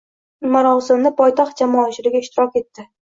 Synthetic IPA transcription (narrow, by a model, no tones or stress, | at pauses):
maɾɒsɪmnɪpʰɒjt̪ʰɒχt̪̚d͡ʒamɒːt͡ʃʰɪlɪɡʲaɪʃt̪ɪɾɒkʲe̞t̪ːɪ